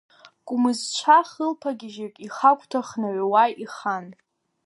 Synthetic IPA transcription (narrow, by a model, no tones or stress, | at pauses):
kʷʼʊmɨzt͡ʃʷʰaχəlpʰaɡʲɪʒakʲʼiχakʷʰʼtʰaχnaʕʷwajiχan